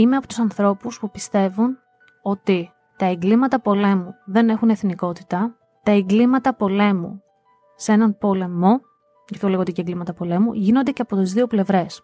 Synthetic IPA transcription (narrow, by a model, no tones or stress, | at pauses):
imeɐpo̞t̪usɐnθɾo̞puspupist̪e̞vun | o̞t̪i | t̪ɐeŋɡlimɐt̪ɐpo̞le̞muðe̞ne̞xune̞θniko̞t̪i̥t̪ɐ | t̪ɐeŋɡlimɐt̪ɐpo̞le̞mṵ | see̞nɐnpo̞le̞mo̞ | ʝɐft̪o̞le̞ɣot̪iceŋɡlimɐt̪ɐpo̞le̞mṵʝino̞nd̪e̞ceɐpo̞t̪izðio̞ple̞vɾe̞s